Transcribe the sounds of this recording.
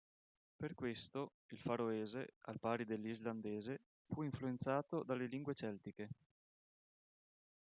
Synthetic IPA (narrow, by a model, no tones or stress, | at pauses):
perkwest̪o | ilfaɾoɛːzea̰lpaːɾid̪elːizland̪ɛːze | fuiɱfluent̪saːt̪od̪alːeliŋɡwet͡ʃɛlt̪ike